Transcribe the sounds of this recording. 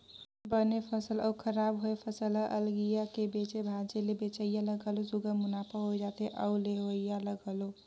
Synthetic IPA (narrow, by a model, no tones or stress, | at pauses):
bənepʰəsələwkʰəɾabɦoepʰəsələʔəlɡijakebet͡ʃebʱad͡ʒelebet͡ʃəjjaləɡəlosuɡəmunapəɦojd͡ʒat̪eʔəwleɦoijaləɡəlo